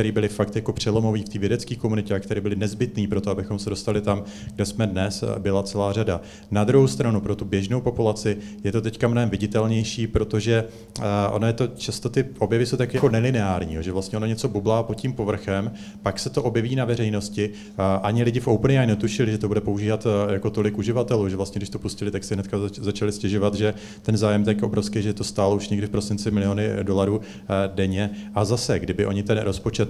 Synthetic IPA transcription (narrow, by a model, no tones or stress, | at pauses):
ɛɾiːbɪlɪfakt̪jako̞pr̝̥ɛlo̞mo̞viːft̪iːvjɛdɛt͡skiːko̞munɪcɛakt̪ɛɾiːbɪlɪnɛzbɪt̪niːpɾo̞t̪oabɪxo̞msɛdo̞st̪alɪt̪am | ɡdɛsmɛdnɛsbɪlat͡sɛlaːrada | nad̪ɾuɦowst̪ɾanupɾo̞t̪ubjɛʒnowpo̞pulat͡sɪ | jɛt̪o̞t̪ɛckamnoɦɛmvɪɟɪt̪ɛlɲɛjʃiːpɾo̞t̪o̞ʒɛ | ʔo̞̰nojɛt̪o̞t͡ʃast̪o̞t̪ɪʔo̞bjɛvɪsowt̪akjako̞nɛlɪnɛaːɾɲḭːɦoʒɛvlast̪ɲɛo̞noɲɛt͡so̞bublaːpo̞t̪cimpo̞vr̩xɛm | paksɛt̪oʔo̞bjɛviːnavɛrɛjno̞scɪ | ʔaɲɪlɪɟɪfʔo̞wpnɪajnɛt̪uʃɪlɪʒɛt̪obudɛpo̞uʒiːvat̪jako̞t̪o̞lɪkʔuʒɪvat̪ɛluːʒɛvlast̪ɲɛɡdɪʃt̪o̞puscɪlɪt̪aksɛɦnɛt̪kazat͡ʃalɪscɛʒo̞vat̪ʒɛ | t̪ɛnzaːjɛmt̪ako̞bɾofskijʒɛt̪o̞st̪aːlouʃɲɛɡdɪfpɾo̞sɪnt͡sɪmɪlɪo̞nɪdo̞laɾuː | dɛɲɛʔazasɛɡdɪbɪʔo̞ɲɪt̪ɛnɾʔo̞spot͡ʃɛt̪